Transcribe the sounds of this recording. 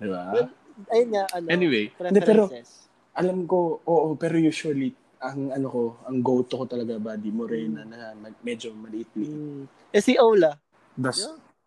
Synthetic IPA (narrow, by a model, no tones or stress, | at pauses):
d̪ɪba | ɐjonŋaʔɐnɛnɪwejnd̪ɛpɛːɾo̞ | ʔɐlamko̞ʔoːʔopɛːɾojuːsʊɐli | ʔɐŋɐnoko̞ɐŋɡowt̪oko̞t̪ɐlɐɡabɐd̪imoɾɛnɐnɐmɐmɛd͡ʒo̞mɐlʔit̪̚li | ʔɛsiʔowlɐ | d̪ɐs